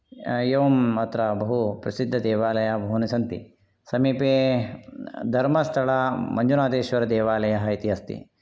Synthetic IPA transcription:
jeʋɐmɐt̪ɾɐbɐɦupɾɐsid̪ʱːɐd̪eːʋaːlɐjɐbʱɐɦunisɐnt̪ḭ | sɐmiːpeː | d̪ʱɐɾmɐst̪ʰɐɭɐmɐɲd͡ʒunaːd̪eːʃʋɐɾɐd̪eːʋaːlɐjɐɦɐit̪iɦɐst̪ḭ

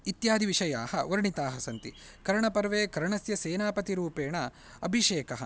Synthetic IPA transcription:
it̪jaːd̪ʱiʋiʃɐjaːhɐʋɐɾɳit̪aːɦɐsɐnt̪i | kɐɾɐɳɐpɐɾʋeːkɐɾɐɳɐsjɐseːnaːpɐt̪iɾuːpeːɳɐ | ɐbʱiʃeːkɐɦɐ̰

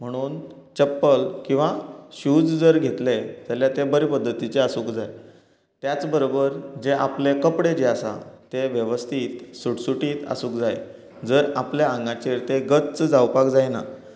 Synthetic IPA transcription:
m̤əɽ̃uːn | t͡ɕəpːəlkĩw̃ʋaɕud͡zd͡zəɾɡʱet̪led͡zaljat̪ebəɾepəd̪ʱːət̪it͡ɕeasuːkd͡zaj | t̪jat͡sbəɾobəɾd͡ʑeʔaplekəpɽed͡ʑeasa̰t̪eʋjəʋəst̪ʰiːt̪suʈsuʈiːt̪a̰suːkd͡zaj | d͡zəɾapljaãŋɡãt͡ɕeɾt̪eɡət͡st͡sd͡zawpakd͡zajna̰

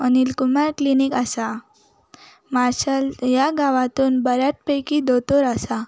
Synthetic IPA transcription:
ɔnilkumaɾklinikasa | maɾɕəljaɡaʋãt̪uːnbəɾjat̪̚pəjkid̪ot̪oɾasa

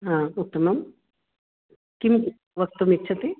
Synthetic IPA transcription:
ɦãːut̪ːɐmɐm | kim | ʋɐk̚t̪ːomitːt͡ʃʰɐt̪i

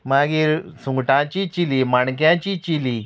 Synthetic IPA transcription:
maɡiːɾsũŋɡʈãt͡ɕit͡ɕilimaɳkjãt͡ɕit͡ɕili

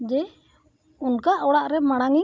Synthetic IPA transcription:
d͡ʒɛ | unkaʔɔwɽaʔɾɛmaɽ̃aŋi

